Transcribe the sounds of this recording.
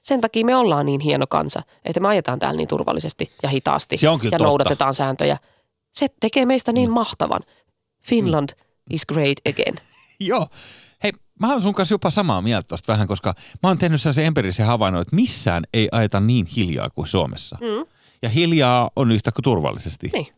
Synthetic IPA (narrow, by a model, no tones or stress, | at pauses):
sent̪ɑkiːmeolːɑːnniːnɦienokɑ̰nsɑ̰ | ʔḛt̪ːæmeɑjet̪ɑːnt̪æ̰ːlnḭːt̪ṵrʋɑ̰lːisest̪ijɑhit̪ɑ̰ːst̪iseoŋkiljɑnoudɑt̪t̪et̪ɑːnsæːnt̪ø̰jæ̰ | set̪ekeːmeist̪æniːmmɑht̪ɑʋɑ̰n | finlɑnd̥ | ʔisɡ̥reid̪əɡ̥ḛn | joː | hei | mæɑnsuŋkɑsjopɑsɑmɑmiælt̪æt̪ost̪ʋæhæŋkoskɑmæoːnt̪ehnyselːɑseemperisehɑʋɑˑinoet̪misːæ̰ːneiʔɑjet̪ɑnniːnhiljɑ̰ːkusuomḛsːɑ | jɑhiljɑːonyht̪ækut̪urʋɑ̰lːisest̪ḭniː